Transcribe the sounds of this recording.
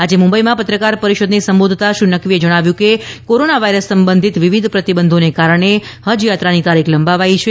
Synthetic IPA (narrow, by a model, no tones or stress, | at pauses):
ad͡ʒemũmbəimãpət̪ɾəkaɾpəɾiʃod̪nisəmbod̪ʱt̪aʃũnəkʋied͡ʒəɽ̃aʋjũkekoɾonaʋaiɾəsːəmbənd̪ʱit̪ʋiʋid̪ʱpɾət̪ibənd̪ʱonekaɾəɳ̃ehəd͡ʒjat̪ɾanit̪aɾikʰləmbaʋait͡ʃʰe